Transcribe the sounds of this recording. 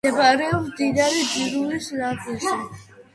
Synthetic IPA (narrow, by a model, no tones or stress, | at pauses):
ɛbaɾɛɔpsd̪id̪aɾidiɾulislad̪iʃi